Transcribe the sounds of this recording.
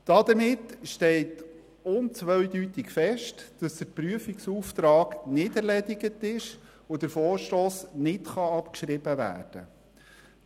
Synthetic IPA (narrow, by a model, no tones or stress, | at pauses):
d̥ɑd̪əmɪtʃtɛɪt | ʊnt͡sʋœʏdytɪkfɛʃtd̥ɑsd̥̪əɾpɾyəfiksuːft̪ɾɑːɡnɪdɛɾlɛdɪɡətɪʃ | ʋod̥̪əɾfoːɾʃtoːsnɪtχɑɑpkʃɾɪb̥əʋæ̰ːɾd̥ə̰